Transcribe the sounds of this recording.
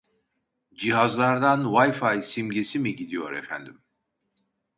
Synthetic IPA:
d͡ʒiɦazlˠaɾd̪anvajfajsimɟesimiɟid̪ijo̞ɾɛfæ̰nd̪im

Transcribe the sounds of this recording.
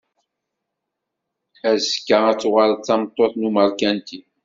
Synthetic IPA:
æzkːəæt͡sːʊʁəlt͡sːɑmt̪ˤːoθnuməɾˤkænt̪i

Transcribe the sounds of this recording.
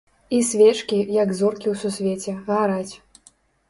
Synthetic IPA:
isʲvʲɛt͡ʂkʲijɐɡzɔrkʲiwsusʲvʲet͡sʲɛɣaɾat͡sʲ

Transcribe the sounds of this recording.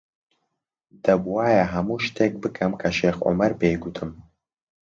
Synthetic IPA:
d̪ɐbwaːjɐɦɐmuːʃt̪ʰeːk̚bɨkʰɐmkʰɐʃeːxʔʊ̰mɐɾbejɡut̪ʰɨm

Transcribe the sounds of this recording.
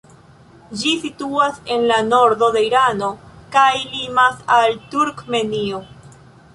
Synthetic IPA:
d͡ʒisituase̞nlano̞ɾdo̞de̞iɾano̞kajlimasaltuɾkmenio

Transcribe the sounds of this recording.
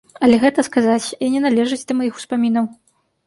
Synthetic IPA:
ɐlʲɛɣɛt̪ɐskazat͡sʲinʲɛnalʲɛʐɨd͡zʲd̪ɐmajixu̥spamʲinɐw

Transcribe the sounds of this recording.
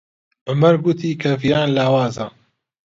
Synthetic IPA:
ʔʊmɐɾɡut̪ʰiːkʰɐvijaːnlaːwaːza̰ː

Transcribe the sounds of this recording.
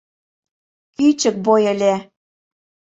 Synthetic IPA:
kyt͡ɕə̆k̚bojə̆lʲe

